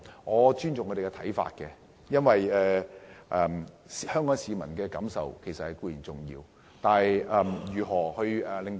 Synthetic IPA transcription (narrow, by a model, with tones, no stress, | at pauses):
ŋɔː˨˧t͡ʃyː˥nt͡sʊ˨ŋʰːɔ˧e˨˩kɛ˧t̪ʰɐ˨˥jfa̰ː˧t̚kɛ˧ | jɐ˥nwɐ˨jɛː˨ʔɛ˨˩m | si˨˧hœː˥ŋkɔː˨˥ŋsiː˨˧mɐ˨˩nkɛː˧kɐ˨˥msɐ̰˨wkʰe˨˩jsɐ˨t̚hɐ˨jkuː˧jiː˨˩nt͡sʊ˨ŋjḭː˧w | t̪aː˨nhɐ˨jʔɛ˨mjyː˨˩ɦɔː˨˩hɵ˧ɥɛ˨˩lɪ˨ŋ